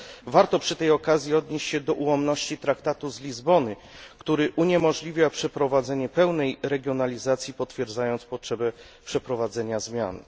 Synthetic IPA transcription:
vaɾt̪ɔpʂɘt̪ɛjɔkazʲjiɔd̪ɲeɕt͡ɕɕɛd̪ɔʔuwɔmnɔɕt͡ɕit̪ɾakt̪at̪uzlʲizbɔnɘ | kt̪uɾɘʔuɲɛmɔʐlʲivʲjapʂɛpɾɔvad̪zɛɲɛpɛwnɛjɾɛɡʲjɔnalʲizat̪sʲjipɔt̪fʲjɛɾd̪zajɔnt̪spɔtʂɛbɛ | pʂɛpɾɔvad̪zɛɲazmʲja̰n

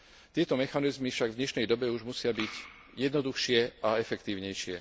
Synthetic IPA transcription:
t̪ɪɛt̪ɔmɛxanizmifʃaɡvd̪ɲɛʃnɛjd̪ɔbɛuʒmusɪabiɟ | jɛd̪nɔd̪uxʃɪɛʔaɛfɛkt̪iːʊɲɛjʃɪɛ̰

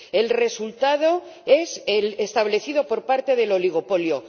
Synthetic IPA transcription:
e̞lre̞sult̪að̞o̞e̞selest̪aβle̞θið̞o̞po̞ɾpaɾt̪e̞ðe̞lo̞liɣo̞po̞ljo̞

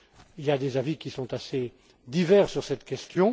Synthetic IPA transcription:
iljad̪ezavikʲisɔ̃t̪ase | d̪ivɛʁsyʁsɛt̪kʲɛst̪jɔ̃

